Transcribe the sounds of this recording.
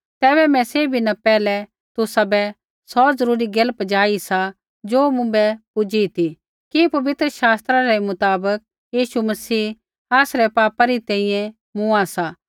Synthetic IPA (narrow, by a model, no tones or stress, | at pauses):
t̪ɛːbɛmɛ̃seːbʱinapɛːlɛ | t̪ʊsabɛ | sɔzɐɾuːɾiɡɐlpd͡ʒaːisa | d͡ʒoːmʊ̃bɛpʊd͡ʒit̪ʰi | kipɐʋɪt̪ɾəʃaːst̪ɾaɾɛmʊt̪aːbək̚ | jiːʃumɐsiː | aːsɾɛpaːpaɾit̪ɛ̃ːĩjɛ̃ | mʊ̃asa